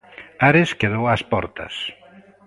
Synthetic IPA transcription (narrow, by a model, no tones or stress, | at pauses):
aɾeskeðowaspɔ̰ɾt̪ɐ̰s